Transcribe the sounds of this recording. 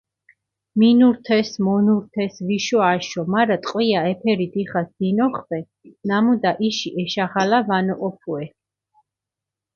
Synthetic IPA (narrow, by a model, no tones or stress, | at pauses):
minuɾt̪ʰɛsmɔnuɾt̪ʰɛsviʃɔaʃɔmaɾat̪ʼqʼwiaɛpʰɛɾid̪iχasd̪inɔχvɛ | namud̪aʔiʃiʔɛʃaʁalavanɔʔɔpʰuɛ